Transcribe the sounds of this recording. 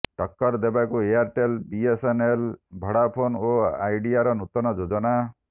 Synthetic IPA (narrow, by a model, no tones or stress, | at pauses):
ʈɔkːɔɾd̪ebakueaɾʈelbiesenelbʱɔɽapʰonoa̰jɖiaɾɔnut̪ɔnɔd͡ʒod͡ʒɔna